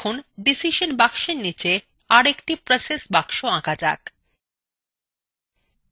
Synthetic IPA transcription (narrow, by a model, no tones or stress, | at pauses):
unɖisiʃonbakʃeɾnit͡ɕe | aɾekʈipɾesesbakʃoãkad͡ʑa̰k